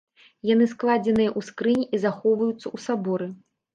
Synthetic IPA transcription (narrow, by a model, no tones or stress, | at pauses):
janɨsklˠad͡zʲɛnɨjɐʔuskɾɨnʲizaxɔwvɐjut̪sːɐusabɔɾɨ